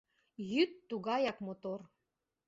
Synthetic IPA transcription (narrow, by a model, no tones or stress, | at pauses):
jyt̪ːuɣɑjɑkmot̪or